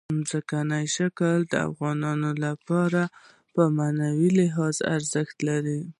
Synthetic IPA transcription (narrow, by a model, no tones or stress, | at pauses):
mzəkanajʃakəld̪əa̰fɣɑnɑnolapɑɾa | pəmanawilɪɦɑza̰ɾzəxt̪laɾi